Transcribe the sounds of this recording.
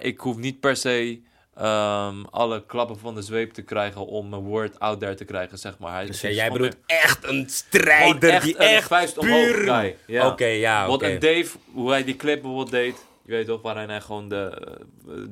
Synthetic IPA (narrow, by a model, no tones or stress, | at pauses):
ʔɪkɦufnit̚pɛɹsej | əmɑ̰ləklɑpəfɑndəzʋejp̚təkrɛjχənɔmːəʋoɹtawt̚dɛɹtəkrɛjχənsɛχma̰ːɹɦɛjjɛjbədutɛχtənstrɛɛχəfɛɥstɔoɛjjaokejaʋɔtədejfɦuɦɛjdiklɪp̚bəfoːbəl̚ˠdejt | jʋejtɔχʋaːɾɛnɦɛjχəʋoːndə